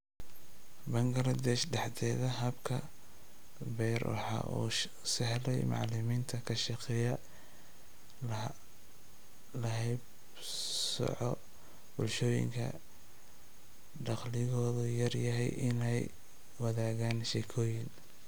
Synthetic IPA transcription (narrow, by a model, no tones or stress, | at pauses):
bɐŋɡɐɾɐd̪ɛʃɖɑħd̪ʰɛːðɐɦɐbkʰɐ | bɛːrwɑ̰ħɑ̰ːʔṵː | sɪhlɛjmɑ̰ʕlɪmiːnt̪ʰɐkʰɐʃɑqɛːjɐ | lɐɦɛjb | sɔ̰ʕɔ | bʊlʃɔːjɪ̰ŋkʰɐ̰ | ɖɑqlɪɣɔːðʊjɐrjɐɦɛjʔɪnɛj | wɐðaːɣaːnʃɛkʰɔːjɪn